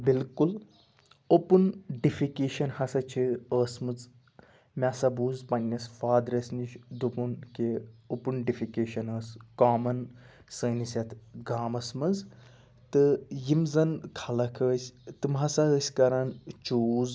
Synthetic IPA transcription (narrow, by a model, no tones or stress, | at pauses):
bilkul | opunɖifikeːʃɐnhɐsɐt͡ʃʰiəːsmɨt͡s | mʲasɐbuːzpɐnʲːɐsfaːd̪ɾɐsʲnit͡ʃʰd̪upunkeopunɖifikeːʃɐnɐskaːmɐn | səːnisʲɐt̪ʰɡaːmɐsmɐz | t̪ɨjimzɐnkʰɐlɐkʰəːsʲt̪ɨmɦɐsɐəːsʲkɐɾɐnt͡ʃuːz